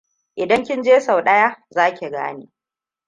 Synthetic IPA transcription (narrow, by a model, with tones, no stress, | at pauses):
ʔɪ˨dɐ˦ŋkʲɪ˦nd͡ʒeː˦sa˨wɗɐ˦jaː˦zaː˦kʲe˨ɡa̰ː˦niː˦